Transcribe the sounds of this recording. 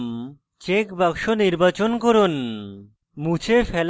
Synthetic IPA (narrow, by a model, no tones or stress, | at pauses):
m | t͡ɕekbakʃoniɾbat͡ɕonkoɾon | mut͡ɕʰefɛl